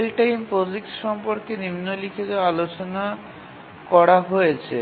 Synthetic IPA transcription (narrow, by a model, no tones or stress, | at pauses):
lʈajmpod͡ʑikʃɔmpoɾkenimnolikʰet̪oalot͡ɕona | kɔɾaɦojet͡ɕʰḛ